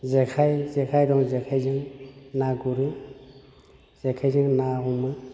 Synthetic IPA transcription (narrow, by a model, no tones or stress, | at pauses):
zekʰajzekʰajdɔŋzekʰajzɯŋnaɡuɾɯ | z̥ekʰajzɯŋnaɦumɯ